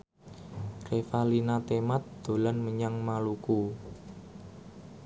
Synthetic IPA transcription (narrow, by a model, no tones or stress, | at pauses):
kefalinat̪emat̪̚d̪̥o̤lanməɲaŋmaluku